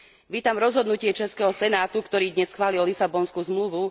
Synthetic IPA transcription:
ʋiːt̪amɾɔzɦɔd̪nucɪɛt͡ʃɛskɛɦɔsɛnaːt̪ukt̪ɔɾiːd̪ɲɛsxʋaːlillisabɔnskuzmluʋu

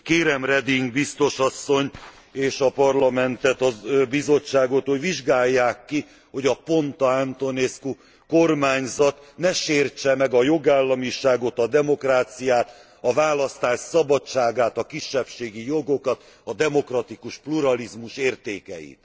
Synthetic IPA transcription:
keːɾɛmrɛd̪iŋɡbist̪o̞ʃɒsːo̞ɲ | eːʃɒpɒrlɒmɛnt̪ɛt̪ɒbizo̞t͡ʃːaːɡo̞t̪hoɟʋiʒɡaːjːaːkːi | ho̞ɟɒpo̞nt̪ɒant̪o̞nesku | ko̞rmaːɲzɒt̪nɛʃeːrt͡ʃɛmɛɡɒjo̞ɡaːlːɒmiʃaːɡo̞t̪ɒd̪ɛmo̞kraːt̪sijaːt̪ | ɒvaːlɒst̪aːʃsɒbɒt͡ʃːaːɡaːt̪ɒkiʃːɛpʃeːɡijo̞ɡo̞kɒt̪ | ɒd̪ɛmo̞krɒt̪ikuʃpluɾɒlizmuʃeːrt̪eːkɛ̰jḭt̪

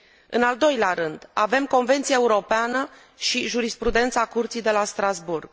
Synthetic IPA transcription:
ɨ̰nald̪o̞jleaɾɨnd̪ave̞mko̞nve̞nt̪sijeeuɾo̞peanə | ʃiʒuɾispɾud̪e̞nt̪sakurt̪sijd̪e̞last̪ɾazburɡ̥

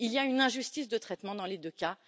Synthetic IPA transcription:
ilijaynɛ̃ʒyst̪isd̪ət̪χɛt̪mɑ̃d̪ɑ̃led̪økʲa

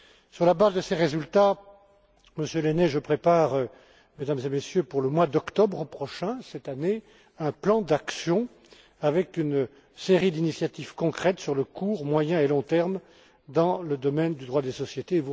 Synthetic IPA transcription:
syʁlabazd̪əseʁezylt̪a | məsjølenɛʒəpχepaʁ | med̪amzemesjøpuʁləmwad̪ɔkt̪ɔbʁəpχɔʃɛ̃sɛt̪ane | ɛ̃plɑ̃d̪aksjɔ̃ | avɛkyn | seʁid̪inisjat̪ivkɔ̃kχɛt̪syʁləkʰuʁmwajɛ̃elɔ̃t̪ɛʁm | d̪ɑ̃ləd̪ɔmɛnd̪yd̪ʁwad̪esɔsjet̪evu

